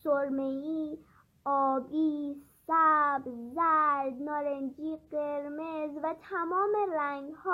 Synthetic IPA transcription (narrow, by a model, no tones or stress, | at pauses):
soɾmei | ɔbisabzaɾd̪nɔɾend͡ʒiqeɾmezʋat̪ʰamɔːmeɾaŋɡhɔ